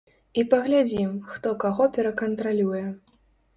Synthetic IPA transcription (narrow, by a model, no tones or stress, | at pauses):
ipɐɣlʲad͡zʲimxt̪ɔkaɣɔpʲɛɾɐkɐnt̪ɾalʲujɛ